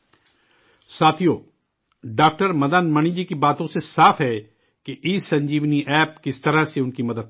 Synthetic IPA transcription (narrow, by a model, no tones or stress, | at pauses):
saːt̪ʰijoː | ɖaːk̚ʈəɾmɐd̪aːnmɐɳ̃id͡ʒikibaːt̪õsesaːfɦɛ | keʔiːsɐ̃ɲd͡ʒiːʋniʔɛːp̚kɪst̪ɐɾaseʊnkimɐd̪əd̪̚